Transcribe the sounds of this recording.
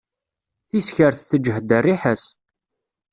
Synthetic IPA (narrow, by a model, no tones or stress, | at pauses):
θisçəɾθθəd͡ʒəɦd̪ərːiħəs